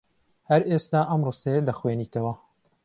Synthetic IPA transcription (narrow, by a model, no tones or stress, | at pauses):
hɐɾest̪aːʔɐmrɨsɐjed̪ɐxweːniːt̪ɐwɐ